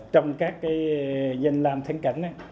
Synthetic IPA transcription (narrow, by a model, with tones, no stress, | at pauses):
t͡ɕɔ˧wŋ͡mkaː˦˥kːaː˨˦jzə˨˧˩ŋlaː˨˩mt̪ʰə˧əŋka˨˧˩ŋ̟ʔaː˨˦